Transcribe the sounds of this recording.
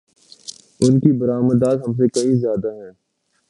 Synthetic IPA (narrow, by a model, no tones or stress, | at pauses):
ʊnkibɐɾaːməd̪aːt̪ɦɐms̬ekɐĩzjaːd̪aɦɛ̃ː